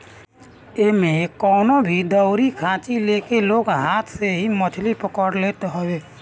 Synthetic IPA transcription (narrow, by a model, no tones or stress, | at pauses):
emẽkɔːnobʱid̪əʊɾikʰãːt͡ʃileːkeloːɡɦaːt̪ʰseɦimət͡ʃʰlipəkəɽleːt̪ɦəweː